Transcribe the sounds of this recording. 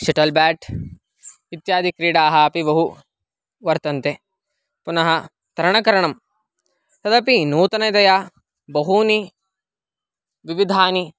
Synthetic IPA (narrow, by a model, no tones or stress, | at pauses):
ʃiʈɐlbæːʈ | it̪jaːd̪ikɾiːɽaːɦɐɐpibɐɦu | ʋɐɾt̪ɐnt̪e | punɐɦɐ | t̪ɐɾɐɳɐkɐɾɐɳɐm | t̪ɐd̪ɐpinuːt̪ɐnɐd̪ɐja | bɐɦuni | ʋiʋid̪ʱaːni